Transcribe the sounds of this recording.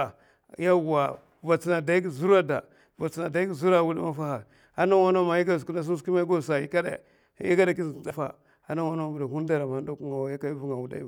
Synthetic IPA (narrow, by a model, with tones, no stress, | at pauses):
ja˦˨a˨ | va˨t͡si˦na˨da˨˦i˦ɡi˦˨zu˦ɾa˦da˨ | va˨t͡si˨na˨da˨˦i˦ɡi˨zu˦ɾa˦˨wu˦di˦ma˦fa˦ha˨ | a˦na˦wa˦no˦ma˨ji˦ɡa˦zu˨ku˦na˦s̬u˦su˦i˦ma˦i˦ɡo˦˨sa˨ḭ˦ka˦dḛ˦˨˦ | jḭ˦ɡa˦da˨ki˦i˨d͡za˨fa̰˨ | a˦na˦wa˦no˦˨bu˨da˨u˦n˦da˨ɾa˨m˨a˨˦do˦ku˦ŋa˨wa˨ja˦ka˦i˦vu˦ŋa˨wu˨da̰˦˨